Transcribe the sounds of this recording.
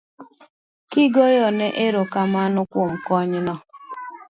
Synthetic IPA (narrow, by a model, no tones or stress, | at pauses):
kɪɡojɔneʔeɾokamanʊkʷʊm̩kɔɲɪnɔ